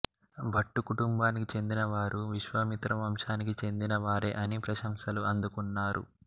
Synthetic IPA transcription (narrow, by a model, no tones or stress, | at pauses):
bʱɐʈːukuʈumbaːnikit͡ʃe̞nd̪inɐʋaːɾʔuʋiʃʋɐmit̪ɾɐmɐmʃaːnikit͡ʃe̞nd̪inɐʋaːɾḛʔɐnipɾɐʃɐmʃɐluɐnd̪ukunːaːɾṵ